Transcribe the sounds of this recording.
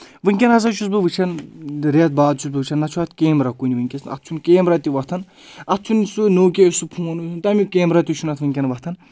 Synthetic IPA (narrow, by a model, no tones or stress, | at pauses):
ʋɨŋkʲɐnɦɐz̬at͡ʃʰus̬bɨʋɨt͡ʃʰɐnɾet̪̚baːd̪̚t͡ʃʰus̬bɨʋɨt͡ʃʰɐnːɐt͡ʃʰuat̪ʰkeːmɾakunʲiʋɨŋʲkʲesnɐ̰t̪̚t͡ʃʰunkeːmɾat̪iʋɐt̪ʰɐn | ɐt̪̚t͡ʃʰunisunoːk̬ʲesupʰuːnt̪ʰunt̪ɐmʲikʲeːmɾat̪ʲit͡ʃʰunɐt̪ʰʋɨŋʲkʲɐnʋɐht̪ʰɐn